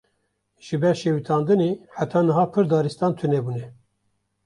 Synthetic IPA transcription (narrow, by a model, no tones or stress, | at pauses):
ʒ̥ɨbɛɾʃeːwit̪ʰɑːnd̪ɨneħæt̪ʰɑːnɨɦɑːpʰɨɾd̪ɑːɾist̪ɑːnt̪ʰɨnebuːnɛ